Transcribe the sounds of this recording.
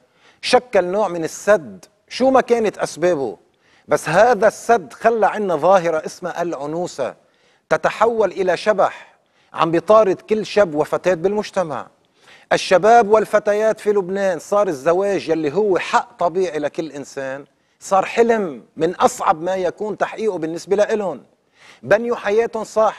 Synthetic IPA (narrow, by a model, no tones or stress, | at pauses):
ʃakːalnoːʕmɪnɪsːad̪ | ʃuːmakeːnɪt̪ʔasbeːbʊ̰ | basːɦaːðasːad̪ːxalːaʕɪnːaðˤɑːɦɪɾaʔɪsmaʔalʕʊnuːsa̰ | t̪at̪aħawːalʔɪlaʃabaħ | ʕa̰mbit̪ˤɑːɾɨd̪kɪlːʃabːwafat̪eːt̪̚bɪlmʊʒt̪ama̰ʕ | ʔaʃːabeːbwɪlfat̪ajaːt̪filʊbneːnsˤɑːɾˤɪzːaweːʒjalːiɦʊwːeħaʔt̪ˤɑbiːʕilakɪlːʔɪnseːn | sˤɑːɾˤħɪlɪmːɪnʔɑsˤʕɑbmajakuːnt̪aħʔiːʔubɪnːɪsbelaʔɪlʊn | banjuħajeːt̪ʊnsˤɑħ